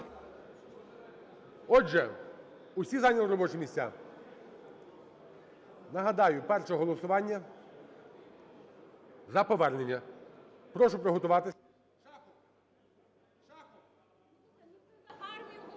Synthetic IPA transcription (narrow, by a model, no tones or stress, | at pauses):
ɔʒɛ | ʊsʲizɑnʲɐlˠɔɾɔbɔt͡ʃɛmʲisʲt͡sʲa̰ | nɐɦɐd̪ɑjʊpɛrʃɛɦɔlˠɔsʊʋɑnʲːɐ | zɐpɔʋɛrne̞nʲːɐ | pɾɔʃʊpɾeɦɔt̪ʊʋɑt̪ɪ